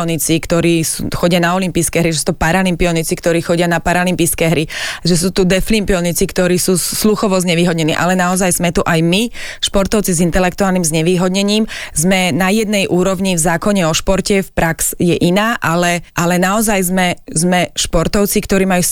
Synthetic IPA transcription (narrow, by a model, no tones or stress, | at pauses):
ɔnit͡sikt̪ɔɾiːsuxɔɟɪanaɔlimpiːskɛːɦɾiʒɛsuːt̪upaɾalimpiɔnit͡sikt̪ɔɾiːxɔɟɪanapaɾalimpiːskɛɦɾiʒɛs̬uːt̪ud̪ɛflimpiɔnit͡sikt̪ɔɾiːsuːsluxɔʋɔzɲɛʋiːɦɔd̪ɲɛnḭːʔa̰lɛnaɔzajzmɛt̪uʔajmiʃpɔɾt̪ɔʊt͡sizint̪ɛlɛk̚t̪uaːlnimzɲɛʋiːɦɔd̪ɲɛɲiːmzmɛnajɛd̪̚nɛjʔuːɾɔʊɲivzaːkɔɲɛɔʃpɔɾcɛfpɾaksjɛʔinaːʔalɛʔalɛnaɔzajzmɛzmɛʃpɔɾt̪ɔʊt͡sikt̪ɔɾiːmaju